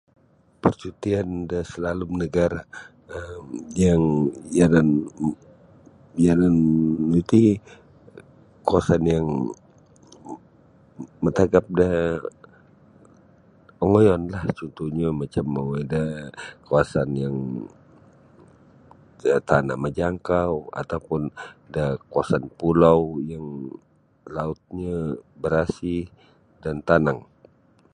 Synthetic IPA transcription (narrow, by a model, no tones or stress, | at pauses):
pərt͡ʃut̪iandasəlalumnəɡaɾa | mjaŋjanan | jananit̪i | kawasanjaŋ | mət̪aɡap̚da | ɔŋojɔnlaht͡ʃɔnt̪uhɲamat͡ʃamːawadakawasanjaŋ | t̪ana̰ʔməd͡ʒaŋkawa̰t̪awpʊndahkuasanpulawjaŋ | laʊt̪̚ɲabəɾasi | dant̪anaŋ